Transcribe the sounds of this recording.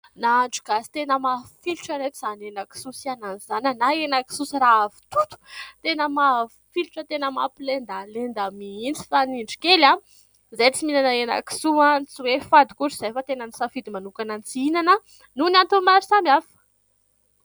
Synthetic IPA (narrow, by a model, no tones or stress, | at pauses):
naːɳɖ͡ʐu̥ɡasi̥t̪enəmafiluʈ͡ʂəɾek̪uz̥anenaki̥susiananzanʲanaenaki̥susiɾaavi̥t̪ut̪u̥t̪enəma | filuʈ͡ʂət̪enəma̰pilend̪alend̪amiint͡si̥faniɳɖ͡ʐi̥kela | zejt͡siminanəena̰ki̥suant͡siwefad̪ikuɾiz̥ajfət̪enənisafid̪imanukanant͡siinanə | nunant̪umaɾisamiafə̥